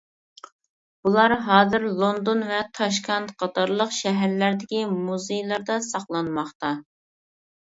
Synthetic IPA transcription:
b̥ulˠɑɾɦɑːzɪɾlˠond̪onvɛt̪ʰɑʃkʰɑnt̪qʰɑt̪ɑɾlˠəqʃɛɦæɾlæɾd̪ɪkʲimuzejlˠɑɾd̪ɑsɑχlˠɑnmɑχt̪ɑ

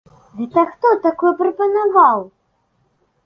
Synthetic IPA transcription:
d̪ɨt̪axt̪ɔt̪akɔjɛprɐpɐnavaw

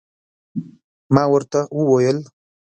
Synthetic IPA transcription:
mɑːwəɾt̪awəwojəl

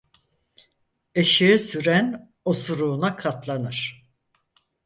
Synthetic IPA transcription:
eʃijɛsyɾæn | osuɾuːnakʰat̪lˠanɯɾ̥

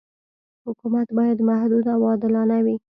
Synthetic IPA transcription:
hʊkumat̪bɑjad̪mahd̪ud̪awɑd̪ɪlɑnawi

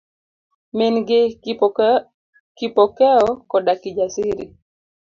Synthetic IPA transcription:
mɪnɡɪ | kipɔkɛɔkɔdakid͡ʒasɪɾḭ

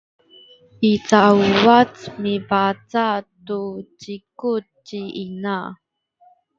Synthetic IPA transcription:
it͡sauat͡smipat͡satut͡ɕiku | t͡ɕiʔina

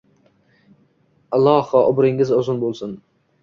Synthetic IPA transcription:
ɑlˠɑːhɒʔʊbɾɪŋːɪzɒzʊnbolˠsʊn

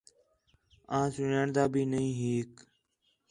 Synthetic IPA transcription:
ãːsʊnjaːɳd̪aːbʱiːnəĩːɦiːk

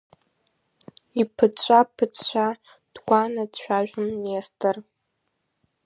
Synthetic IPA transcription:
ipʰɨt͡ɕʷʼapʰɨt͡sʰʼɕʷʰᶣa | d̥ɡʷanadʃʷᶣaʒᶣʊmnestʰʼɨr

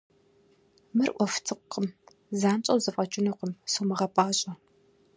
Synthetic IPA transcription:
mɨrʔʷɔft͡sʰɨqːəm | zaːnt͡ʃʼɐwzɨfʼɐt͡ʃʼɪnuqəmsowmɨʁɐpʼaːɕʼɐ

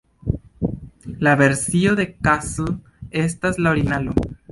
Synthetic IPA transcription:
laβe̞ɾsio̞ðe̞kasl | e̞staslaoɾinalo

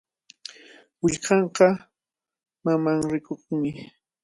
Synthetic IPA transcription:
wɪʎqɑɴqɑ | mamaŋɾɪkoχmɪ

